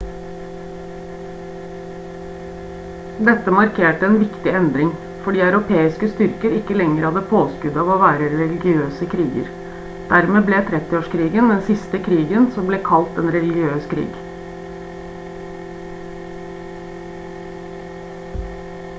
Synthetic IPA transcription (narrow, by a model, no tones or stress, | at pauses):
d̪ɛt̪ːəmɑɾkʰeːʈəɛːnʋɪkt̪ɪɛnd̪ɾɪŋ | fɔɖiːɑʉɾʊpʰeːɪskəst̪ʏɾkəɾɪkːəlɛŋːəɾhɑd̪əpʰoːskʉd̪ɑːʋoːʋæːɾəɾɛlɪɡɪøːsəkʰɾiːɡə̰ɾ | d̪̥æɾmeːbleːt̪ʰɾɛt̪ɪoːʂkʰɾiːɡənd̪ɛnsɪst̪əkʰɾiːɡənsɔmbleːkʰɑlt̪ɛnɾɛlɪɡɪøːskʰɾḭːɡ